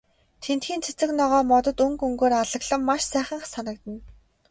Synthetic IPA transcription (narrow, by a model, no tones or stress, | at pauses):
t̪ʰent̪xiːnt͡sʰe̥t͡sɘ̆knɔʁɔːmɔt̪ɞ̆t̪ɵŋkɵŋɡoːɾaɮə̆ɣɮə̆mːaʃsæːχə̆ɴχsanə̆k̚t̪ə̆n